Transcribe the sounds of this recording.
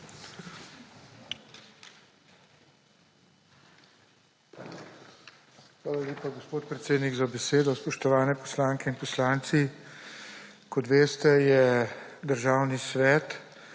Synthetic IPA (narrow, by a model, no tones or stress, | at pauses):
xʋaːlaleːpaɡospoːt̪̚pɾɛt̪seːd̪niɡzabɛseːd̪ɔspɔʃt̪ɔʋaːnɛpɔ̥slaːŋkɛinpɔslaːnt̪si | kɔt̪ʋeːst̪ɛjɛd̪əɾʒaːwnisʋɛːt̪